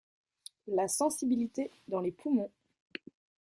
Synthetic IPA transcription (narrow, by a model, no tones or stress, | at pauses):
lasɑ̃sibilit̪e | d̪ɑ̃lepʰumɔ̃